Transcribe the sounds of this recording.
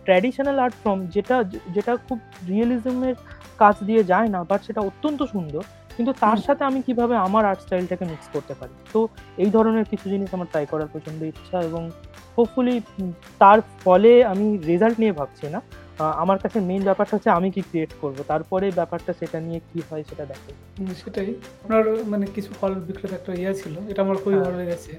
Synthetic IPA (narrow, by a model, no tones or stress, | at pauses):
ʈɾɛɖiʃonalaɾʈfɾɔmd͡ʑeʈad͡ʑeʈakʰub | ɾializmeɾ | kat͡ɕʰd̪ijed͡ʑaenabaʈʃeʈaot̪ːont̪oʃund̪ʱoɾ | kint̪ut̪aɾʃat̪ʰeamikibʱabeamaɾaɾʈsʈajlʈakemikskoɾt̪epaɾit̪oejd̪ʱɔɾoneɾkit͡ɕʰud͡ʑiniʃamaɾʈajkɔɾaɾpɔt͡ɕʰond̪oiʃʰaeboŋ | hobfuli | t̪aɾfɔleamiɾid͡ʑalʈniebʱab̚t͡ɕʰina | amaɾkat͡ɕʰemenbɛpaɾkat͡ɕʰeamikikɾieʈkoɾbot̪aɾpɔɾebɛpaɾʈaʃeʈaniekiɦɔeʃeʈad̪ɛkʰe | ʃeʈajapnaɾmanekit͡ɕʰufʰɔlbikːɾot̪ɛk̚ʈaeat͡ɕʰiloeʈaamaɾkʰubʱibʱaloeɡɛt͡ɕʰe